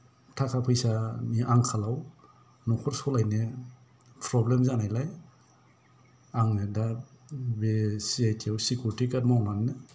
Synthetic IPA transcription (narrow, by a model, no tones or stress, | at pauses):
tʰakʰapʰɯjsamiʔaŋkʰalaw | nɔkʰɔɾsɔlajne | pʰɾɔblemzanajlaj | aŋeda | besiajtʰiawsikuɾtikat̚mawmanːɯ